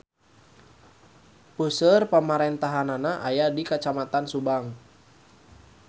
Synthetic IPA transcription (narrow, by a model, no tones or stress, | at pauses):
pusərpəmaɾɛnt̪aɦananaʔajadikat͡ʃamat̪ansubaŋ